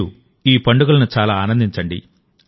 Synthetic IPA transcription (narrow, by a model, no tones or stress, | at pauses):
u | iːpɐɳɖuɡɐlɐnut͡ʃaːlaːaːnɐnd̪iɲt͡ʃɐɳɖḭ